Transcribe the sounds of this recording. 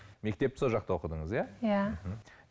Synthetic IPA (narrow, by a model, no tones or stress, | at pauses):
me̞k̚t̪e̞p̚t̪ɪsolˠʒɑqt̪ɑwo̞qəd̪əɴəzjajam̩ɦm̩